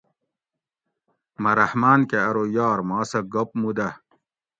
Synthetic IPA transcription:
mɐɾɐhmaːnkeɐɾojɑːɾmɑːsɐɡop̚mud̪ɐ

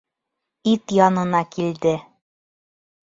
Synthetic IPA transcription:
it̪jɑnɤ̆nɑkild̪ɘ

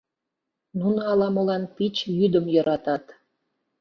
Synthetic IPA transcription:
nunəɑlɑmə̆lɑnpit͡ɕjyd̪əmjɤɾɑt̪ɑt̪

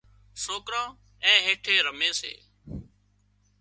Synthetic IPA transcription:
soːkɾãː | ɛ̃ːɦeːʈʰeːɾəmeːsḛː

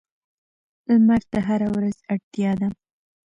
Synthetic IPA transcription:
lmaɾt̪aɦaɾawɾazaɽt̪jɑd̪a

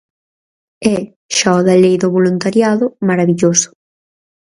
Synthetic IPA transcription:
ɛ | ʃaɔðalejðʊβolunt̪aɾjaðʊmaɾaβiʎosʊ̥

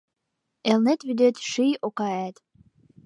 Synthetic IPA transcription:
elnet̪βyd̪et̪ʃijokɑæt̪

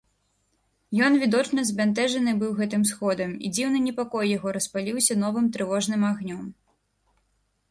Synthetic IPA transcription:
jɔnvʲid̪ɔt͡ʂnɐzbʲant̪ɛʐɐnɨbɨwɣɛt̪ɨmsxɔd̪ɐmḭd͡zʲiwnɨnʲɛpakɔjːaɣɔɾɐspalʲiwsʲɐnɔvɨmt̪ɾɨvɔʐnɨmaɣnʲɔm

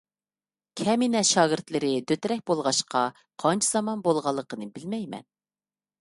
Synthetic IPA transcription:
kʲʰɛminɛʃɑːɡʲɪɾt̪lɪɾɪd̪øt̪ɾɛk̚ʲbolˠʁɑʃqɑ | qʰɑnt͡ʃʰiz̥ɑmɑnbolˠʁɑlˠːəqənɨbɪlmɛjmɛ̰n

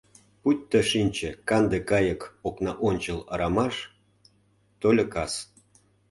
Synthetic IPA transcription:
putʲt̪ə̆ʃinʲt͡ɕĕkɑnd̪ekɑjə̆koknɑʔonʲt͡ɕəlɑ̰ɾɑmɑʃ | t̪olʲə̆kɑs

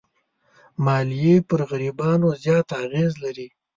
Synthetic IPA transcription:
mɑːlijepəɾɣaɾibɑnozjɑːt̪aɣezlaɾi

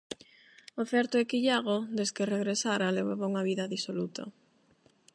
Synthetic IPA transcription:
ofɛɾt̪oɛkiʎaɣod̪eskereɣɾesaɾaleβoβauŋaβiðɐðisolut̪ɐ̰

